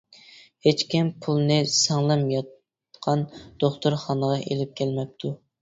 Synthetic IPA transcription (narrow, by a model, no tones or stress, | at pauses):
het͡ʃkʲimpʰulˠnɨsɑŋlˠɨmjɑt̪ | qʰɑnd̪̥oχt̪ʊɾχɑnəʁɑʔelɪp̚kʲʰɛlmɛp̚t̪ʰu